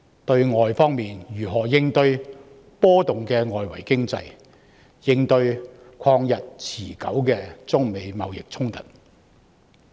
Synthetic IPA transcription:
t̪ɵ˧ɥŋɔː˨jfɔː˥ŋmiː˨njyː˨˩ɦɔː˨˩jɪ˧ŋt̪ɵ˧ɥ | pɔː˥t̪ʊ˨ŋkɛː˧ŋɔː˨jwɐ̰˨˩jkɪ˥ŋt͡sɐ̰˧j | jɪ˧ŋt̪ɵ˧ɥ | kʷʰɔː˧ŋjɐ˨t̚t͡sʰiː˨˩kɐ̰˨˥wkɛː˧t͡sʊ˥ŋme˨˧jmɐ˨wjɪ̰˨k̚t͡sʰʊ˥ŋt̪ɐ˨t̚

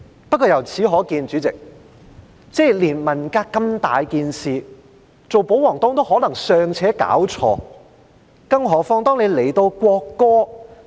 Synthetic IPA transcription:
pɐ˥t̚kɔː˧jɐ˨˩wt͡sʰiː˨˥ɦɔː˨˥kiː˧nt͡ʃyː˨˥t͡sɪ˨k̚ | t͡sɛː˥liː˨˩nmɐ˨˩nkaː˧kkːɐ˧mt̪a̰ː˨jkiː˧nsiː˨ | t͡so˨wpo˨˥wɔː˨˩ŋt̪ʊː˥ŋt̪o˥wɦɔː˨˥lɐ˨˩ŋsœː˨ŋt͡sʰɛː˨˥ka̰ː˨˥wt͡ʃʰɔ̰ː˧ | kɐ˥ŋɦɔː˨˥fɔː˥ŋt̪ɔː˥ŋne˨˧jle˨˩jt̪o˧wkʷɔː˧kːɔː˥

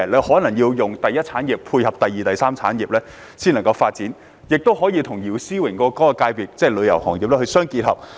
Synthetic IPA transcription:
le˨˧hɔː˨˥nɐ˨˩ŋjiː˧wjʊ˨ŋt̪ɐ˨jɐ˥t̚t͡sʰaː˨˥njiː˨pːʰuː˧jhɐ˨˩p̚t̪ɐ˨jiː˨˩t̪ɐ˨jsaː˥mt͡sʰa̰ː˨˥njiː˨p̚lɛː˥ | siː˥nɐ˨˩ŋkɐ˧wfaː˧t̚t͡siː˨˥n | jɪ˨k̚t̪o˥wɦɔː˨˥jiː˧t̪ʰʊ˨˩ŋjiː˨˩wsiː˥wɪ˨˩ŋkɔː˧kɔː˥kkaː˧jpiː˨˩t̚t͡sɛː˥˩lɵ˨˧jɐ˨˩whɔ̰ː˨˩ŋjiː˨p̚lɛ˥hɵ˧sœː˥ŋkiː˧t̚hɐ˨˩p̚

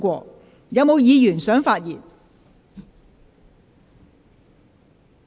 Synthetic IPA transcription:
kʷɔː˧ | jɐ˨wmo˨˧wjiː˨˧jyː˨˩nsœː˨˥ŋfaː˧t̚jiː˨t̚

